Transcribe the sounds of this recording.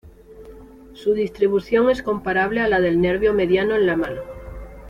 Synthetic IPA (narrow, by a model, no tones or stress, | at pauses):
suðist̪ɾiβuθjoŋe̞sko̞mpaɾaβlealað̞e̞lneɾβjome̞ðjanoenlamano